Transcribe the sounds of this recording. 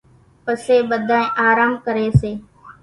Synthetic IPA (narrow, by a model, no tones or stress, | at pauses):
pəseːɓəd̪ʱãːẽːʔaːɾaːmkəɾeːseː